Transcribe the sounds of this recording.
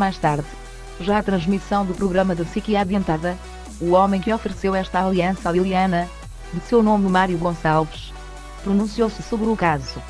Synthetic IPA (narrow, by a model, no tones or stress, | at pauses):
majʃt̪aɾð | ʒaɐt̪ɾɐ̃ʒmisɐ̃w̃d̪upɾuɣɾɐmɐðɨpsikiaðẽnt̪aðɐ | uɔmɐ̃j̃kɨɔfɨɾɨsewɛʃt̪ɐalˠiɐ̃salˠilˠiɐnɐ | ðɨsewnommaɾjuɣõsalˠvɨʃ | pɾunũsiowsɨsoβɾukazu